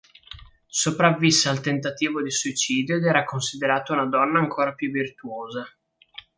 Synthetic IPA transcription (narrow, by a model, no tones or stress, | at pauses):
sopɾavːisːaːlt̪ent̪at̪iːvod̪isuit͡ʃiːd̪jod̪ɛːɾakonsid̪eɾaːt̪ounad̪ɔnːaːŋkʰoːɾapjuvːirt̪uoːza